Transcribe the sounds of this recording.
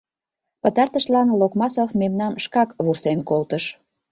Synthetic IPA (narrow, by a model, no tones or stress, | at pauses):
pə̆t̪ɑrt̪əʃlɑnlokmɑsofmemnɑmʃkɑkβursenkolt̪əʃ